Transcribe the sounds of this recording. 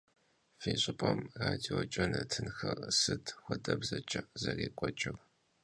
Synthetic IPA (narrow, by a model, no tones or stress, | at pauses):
fiːɕʼɪpʼɐmraːdiot͡ʃʼɐnɨtʰɨnxɐrsɨdxʷɔdʼɐbzɐt͡ʃʼɐʔzɐreːkʷʼɔt͡ʃʼɪr